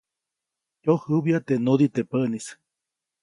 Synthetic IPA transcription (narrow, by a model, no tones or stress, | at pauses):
johɨβiat̪eʔnod̪it̪epəʔnis